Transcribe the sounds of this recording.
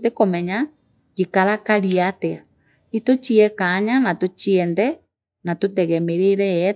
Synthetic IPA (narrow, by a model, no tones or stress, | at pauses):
tekomɛɲa | ɡekaɾakaɾiatea | itot͡ʃiɛkaɲanatot͡ʃiɛndɛ | natotɛɣɛmeɾeɾɛjɛ